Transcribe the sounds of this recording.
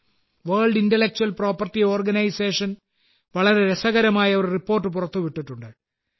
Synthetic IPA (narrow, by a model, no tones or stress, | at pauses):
ʋɐːɭɖintelːek̚t͡ɕuɐlpro̞ːpːɐrtːio̞ːrɡɐnɐjse̞ːʂɐn | ʋɐɭɐɾe̞ɾesɐɣɐɾɐmaːjɐoɾuripːo̞ːrʈːɨp̬urɐt̪ːuʋiʈːiʈːuɳɖɨ